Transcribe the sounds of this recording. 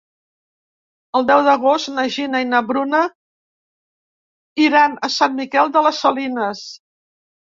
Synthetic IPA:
əlˠd̪ɛwðəɣost̪nəʒinəinəβɾunə | iɾanəsanmikɛlˠd̪ələsəlinəs

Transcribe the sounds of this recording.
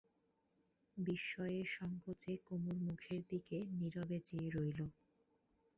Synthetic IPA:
biʃːɔeeʃɔŋkot͡ɕekomuɾmukʰeɾd̪ikeniɾobet͡ɕeɾojlo

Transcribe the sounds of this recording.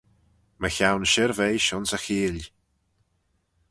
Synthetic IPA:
məçawnʃɪɾvejʃɔnsəxiːl

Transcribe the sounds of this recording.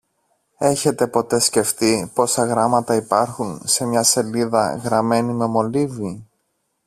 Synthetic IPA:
e̞çe̞t̪e̞po̞t̪e̞sce̞ft̪ipo̞sɐɣɾɐmɐt̪ɐipɐɾxunse̞mɲɐse̞liðɐ̰ɣɾɐme̞nime̞mo̞livi

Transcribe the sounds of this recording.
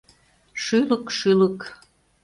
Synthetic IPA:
ʃyləkʃylək

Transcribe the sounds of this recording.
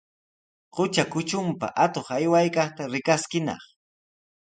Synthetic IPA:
qʊt͡ʃakʊt͡ʃʊmpa̰ʔat̪oχajwajkɑχt̪aɾɪkaskɪnɑ̰χ

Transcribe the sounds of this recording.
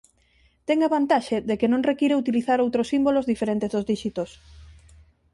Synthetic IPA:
t̪eŋaβant̪aʃeðekenõŋrekiɾeut̪iliθaɾowt̪ɾosimbolozðifeɾent̪ezðozðiʃit̪os

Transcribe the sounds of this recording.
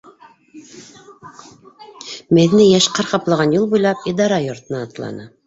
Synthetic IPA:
mæðnɘjæʃqɑɾqɑplˠɑʁɑnjulˠbujlˠɑpid̪ɑɾɑjŏɾt̪ɤ̆nɑːt̪lˠɑ̰nɤ

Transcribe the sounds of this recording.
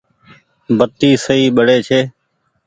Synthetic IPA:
bət̪iːsəiːɓəɽeːt͡ʃʰeː

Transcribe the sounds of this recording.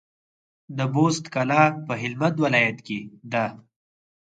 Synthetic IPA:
d̪əbost̪kalɑpəɦɪlmat̪wɪlɑjat̪ked̪a

